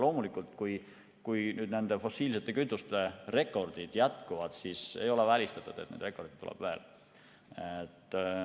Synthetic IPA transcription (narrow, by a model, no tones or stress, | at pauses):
lo̞ːmulikːˑult̪kuj | kujnyːd̪ne̞nd̪e̞fo̞siːlse̞t̪ːˑe̞kyt̪ːˑust̪e̞re̞kːˑo̞rd̪̥id̪̥jæt̪ˑkuvɑd̪̥sisḛjo̞levælʲist̪ɑ̥t̪ːˑut̪et̪nend̪re̞kːˑo̞rd̪it̪t̪ːṵlɛ̰b̥veḛl | et̪ː